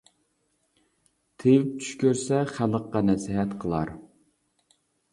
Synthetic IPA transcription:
t̪ʰejɪp̚t͡ʃ̪ʰy̥ʃkʲøɾsɛχælˠəqːɑnɛsɪɦɛt̪qʰəlˠɑ̰ɾ

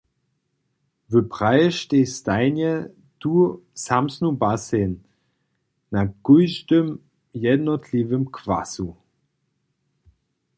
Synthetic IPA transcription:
vøpʁ̥aɪʃteːstaɪnjə | d̥usamsnubasen | aɡ̥ʊʏʃtəm | jɛdnɔtʰlivəmkʰv̥a̰su

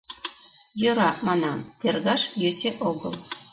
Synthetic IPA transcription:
jɤ̆ɾɑmɑnɑt̪ʲerɡɑʃjøsʲeʔoɡɤ̆lˠ

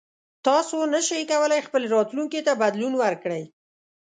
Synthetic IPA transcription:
t̪ɑsonəʃijkawəlajxpəleɾɑt̪luŋket̪abad̪lunwəɾkɽəj

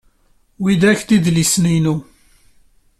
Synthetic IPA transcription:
wid̪æçt̪iðlisninu

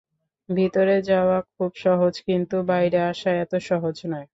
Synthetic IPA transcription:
bʱit̪oɾed͡ʑaoakʰubʃɔɦod͡ʑkint̪ubajɾeaʃaɛt̪oʃɔɦod͡ʑnɔe

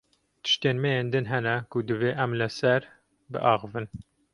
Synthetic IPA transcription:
t̪ʰɨ̥ʃt̪eːnmɛjeːnd̪ɨnɦɛnɛkʊd̪ɨveːʔɛmlɨsæɾ | bɨ̰ʔɑːɣɨvɨn

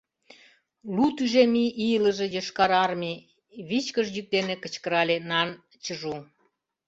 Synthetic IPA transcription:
lut̪yʒemiʔijələ̆ʒejəʃkɑɾɑrmi | βit͡ɕkəʃjyk̚d̪enekə̆t͡ɕkəɾɑlenɑn | t͡ɕəʒu

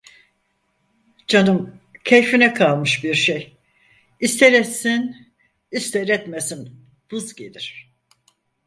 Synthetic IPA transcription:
d͡ʒʰanɯmcʰejfinɛkʰalˠmɯʃbiɾʃej | ist̪ʰeɾɛt̪sin | ist̪ʰeɾɛt̪mesin | b̥uzɟed̪iɾ̥

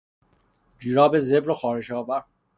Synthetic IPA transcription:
d͡ʒiːɾɒːbezebɾoxɒːɾeʃɒːvæɾ

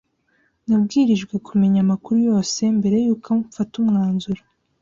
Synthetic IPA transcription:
nab̚ɡiːɾiʒɡwe̞kʰume̞ɲamakuɾujo̞ːse̞mbe̞ɾe̞juːkaufatumŋaːnzuɾa

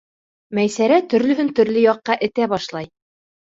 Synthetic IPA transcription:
mæjsæɾæt̪ɵ̆ɾlɵ̆ɦɵnt̪ɵ̆ɾlɘjɑqːɑʔɘ̆t̪æβɑʃlˠɑj

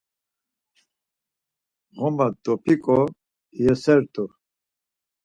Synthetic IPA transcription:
ɣɔmad̪ɔpʰikʼɔ | jɛsɛɾt̪ʼu

